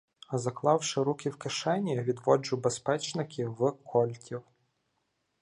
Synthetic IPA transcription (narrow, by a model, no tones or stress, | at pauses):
zɐklˠɑwʃɪɾukʲɪwkɪʃɛnʲijɐʋʲid̪ʋɔd͡ʒʊbespɛt͡ʃnɪkʲiwkʰɔlʲtʲiw